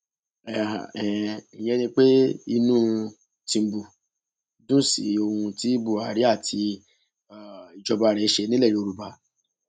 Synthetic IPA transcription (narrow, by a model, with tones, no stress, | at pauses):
ɛ˨a̰˨ɛ˨jɛ˧˦nĩ˧k͡pe˦i˧nũː˦ | tĩ˧˨bu˨ | dũ˦˨sḭ˨˦o˧hũ˧ti˦bu˦˨a˨ɾi˨˦a˦˨tʰi˧ | a˨i˨d͡ʒɔ˧ba˧˨ɾɛ˨˦ʃe˧˦nĩ˦lɛ˦˨i˨˦o˧ɾu˨ba˧˦